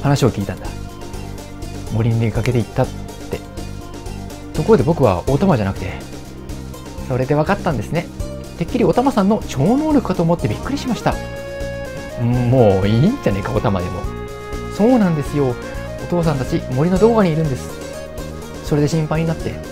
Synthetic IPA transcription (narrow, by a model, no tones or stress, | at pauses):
hanaɕio̞kʲiːt̪ãnd̪̥a | mo̞ɾʲiɲieikake̞t̪eit̪ːat̪ː | e̞̰ | t̪oko̞ɾod̪e̞bo̞kɯ̟βa̰ot̪amaʑanakɯ̟̥t̪e̞ | so̞ɾe̞d̪e̞β̞akat̪ːãnd̪e̞sɨne̞ | t̪e̞kʲːiɾʲio̞t̪amasãnːo̞t͡ɕo̞ːno̞ːɾʲokɯ̟kːat̪o̞ːmo̞t̪ːe̞bʲikːɯ̟ɾʲiɕimaɕi̥t̪a | moːiːɲd͡ʑane̞kao̞t̪ama̰d̪e̞̰mo̞̰ | so̞ːnãnd̪e̞sɨjo̞ | ot̪o̞ːs̬ãnt̪at͡ɕimo̞ɾʲino̞d̪o̞ːɡaɲ̟iːɾɯ̟̃nd̪e̞sɨ̥ | so̞ɾe̞d̪e̞ɕĩmpaiɲ̟inat̪ːe̞̰